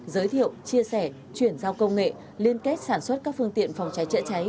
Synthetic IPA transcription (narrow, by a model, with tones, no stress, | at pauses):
zəː˨˦jt̪ʰḭ˧˨əwt͡ɕi˧əsɛ˧˩ | t͡ɕwi˧˩ənzaː˧wkə˧wŋ͡mŋḛ˧˨ | li˧ənke˦˥t̚saː˧˩nswə˦˥t̚kaː˦˥k̚fɨ˧əŋt̪ḭ˧˨ənfɔ˨˩wŋ͡mt͡ɕa˨˦jt͡ɕə̰˧˥t͡ɕa˨˦j